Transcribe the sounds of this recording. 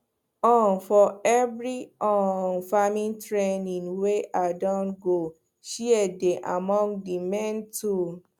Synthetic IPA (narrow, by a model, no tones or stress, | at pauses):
ɔ̃nfɔɛvɹiɔnfamĩntɹenĩnweʔadɔ̃nɡo | ʃiɛdeʔamɔ̃ŋɡdimɛ̃ntu